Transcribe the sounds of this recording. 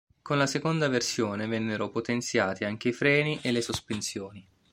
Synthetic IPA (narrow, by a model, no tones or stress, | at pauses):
konlasekond̪aversjoːnevɛnːeɾopot̪ent̪sjaːt̪iaŋk̟eifɾɛːniʔelːesospensjoːni